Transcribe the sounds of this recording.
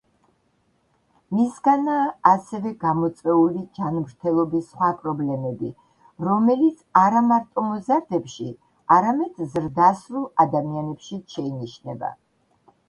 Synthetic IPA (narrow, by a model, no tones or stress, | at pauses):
misɡanaːsɛvɛɡamɔt̪sʼɛulid͡ʒanmɾt̪ʰɛlˠɔbisχwapʼɾɔblɛmɛbi | ɾɔmɛlit̪sʰaɾamaɾt̪ʼɔmɔzaɾd̪ɛpʃi | aɾamɛd̪̥zɾd̪asɾulˠad̪amianɛpʃiʃɛiniʃnɛba̰